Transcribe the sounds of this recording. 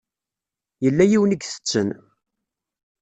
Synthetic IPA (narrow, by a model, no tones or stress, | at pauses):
jəlːæjiwəniɡθə̥t͡sːən